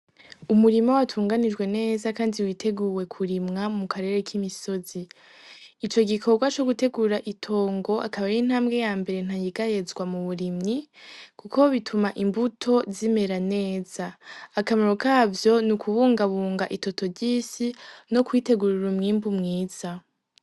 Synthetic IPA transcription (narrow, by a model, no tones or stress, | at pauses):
umuɾimawatʰuːŋɡanid͡ʒɡwe̞ne̞ːzakaːndiwiːtʰe̞ɡuwe̞kʰuɾimŋamukʰaɾe̞ɾe̞kʰimiso̞zi | it͡ʃo̞ɡikʰo̞ɡwat͡ʃoɡute̞ɡuːɾaʔitʰo̞ːŋɡo̞ʔa̰kaβajiːn̥haːmbɡe̞jaːmbe̞ɾe̞n̥hajiɡaje̞zɡwamuβuɾimɲikuko̞βitʰumaʔimbutʰo̞zime̞ɾane̞ːz̥aːkamaɾokʰaːvjo̞nukʰuβuːŋɡaβuːŋɡaʔito̞to̞vɟiːsino̞kwiːte̞ɡuɾiɾumŋiːmbumŋiːz̥a